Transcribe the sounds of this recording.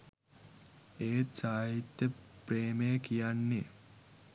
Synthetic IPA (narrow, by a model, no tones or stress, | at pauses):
eːt̪saːɦit̪jəpreːmejəkijanːe